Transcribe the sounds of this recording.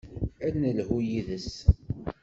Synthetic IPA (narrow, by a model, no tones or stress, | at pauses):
ænəlhujiðəs